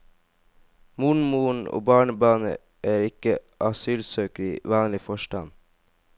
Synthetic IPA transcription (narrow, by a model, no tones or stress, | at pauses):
muɳmuːɳ̩o̰ːbɑːɳəbɑːnə̰ | ʔæːɾɪkəʔɑsyːlsøːkəɾɪʋɑːnlɪfɔʃʈɑn